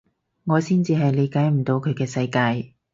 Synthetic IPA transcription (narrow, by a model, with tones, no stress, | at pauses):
ŋɔː˨˧siː˥nt͡siː˧ɦɐ˨jle˨˧jkaː˨˥jm̩˨˩t̪o˧wkʰɵ˨˧ɥkɛː˧sɐ˧jkaː˧j